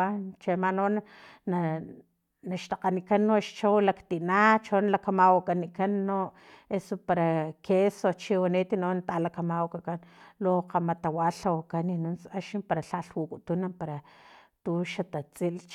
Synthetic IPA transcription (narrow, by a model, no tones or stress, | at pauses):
at͡ʃemanona | na | naʃt̪aqanikanːoʔʃt͡ʃowlakt̪iʔnat͡ʃonalakamawakʼanikanːoʔ | esopaɾakʰesot͡ʃiwaneːt̪inonat̪alakamawkakanloqamat̪awaɬawakaninunsaʃimpaɾaɬaɬwukʼut̪unampaɾat̪uʃat̪at͡sʼilt͡ʃ